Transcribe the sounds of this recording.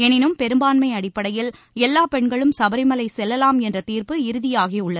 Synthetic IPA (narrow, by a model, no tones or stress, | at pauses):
ɛnɪnɯmpɛɾɯmbaːnmɐɪɐɽɪpːɐɽɐjɪl | ɛlːaːpɛɳɡɐɭɯmsɐbɐɾɪmɐlɐɪsɛlːɐlaːmɛndrɐt̪iːrpɯɪɾɯðɪjaːɣiʊɭːɐð